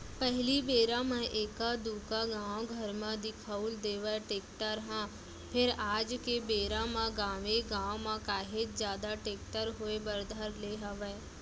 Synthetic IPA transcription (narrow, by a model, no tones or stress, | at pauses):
pɛɦɪlibeːɾãmɛ̃ʔeːkad̪uːkaɡãːoɡʱəɾmãd̪ɪkʰəuld̪eːʋəʈeːkʈəɾɦãː | pʰɪɾaːd͡ʒkebeːɾãmãɡãːʋeɡãːwmãkaːɦed͡ʒzjaːd̪aʈeːk̚ʈəɾɦʊebəɾd̪ʱəɾleːɦəʋɛː